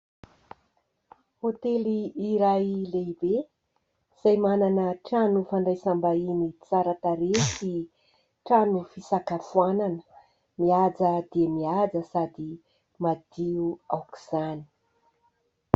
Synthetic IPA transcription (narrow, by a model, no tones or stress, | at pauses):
hot̪eliːɾajlebe | z̥ajmananəʈ͡ʂanufaɳɖ͡ʐajsambainit͡saɾat̪aɾesi | ʈ͡ʂanufisakafuananə̥ | miad͡zəd̪iəmiad͡zəsad̪i | mad̪iuawki̥z̥ani̥